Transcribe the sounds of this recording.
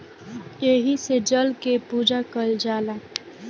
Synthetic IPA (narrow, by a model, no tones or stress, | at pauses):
jeɦised͡ʒəlkepuːd͡ʒakəld͡ʒaːla